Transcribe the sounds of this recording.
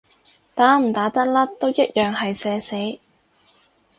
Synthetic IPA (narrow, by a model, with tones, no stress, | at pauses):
t̪aː˨˥m̩˨˩t̪aː˨˥t̪ɐ˥k̚laː˥t̪o˥wjɐ˥t̚jœː˨ŋɦɐ˨jsɛː˨˧se˨˥j